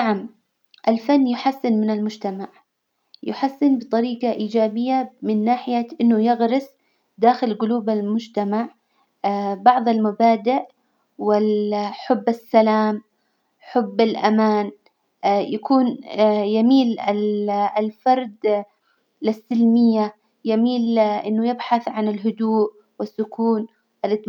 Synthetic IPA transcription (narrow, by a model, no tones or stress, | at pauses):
naʕam | ʔalfanːjʊħasːɪnmɪnɪlmʊd͡ʒt̪amaʕ | jʊħasːɪnbɨt̪ˤɑɾiːqɑʔiːd͡ʒaːbɪjːamɪnːaːħɪjaʔɪnːʊjɪɣɾɪsˤ | d̪aːxɪlɡʊluːbalmʊd͡ʒt̪amaʕ | bɑʕðˤɪlmabaːd̪ɪʔ | wɪħʊbːasːalaːm | ħʊbːɪlʔamaːn | jakuːnjamiːlɪllfɑɾˤd̪ | lɪsːɪlmɪjːa | jamiːlʔɪnːʊjɪbħaθʕanɪlɦʊd̪uːʔ | wɪsːʊkuːn | ʔɪlʔɪt̪